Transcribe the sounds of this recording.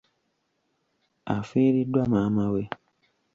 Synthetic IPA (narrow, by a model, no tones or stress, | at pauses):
a̰fẽɾidwamãmãwe